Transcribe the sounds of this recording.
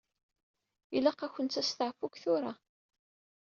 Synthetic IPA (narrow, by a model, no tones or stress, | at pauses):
ilæqːæçʷənt͡s̪æst̪əʕfukθʊɾa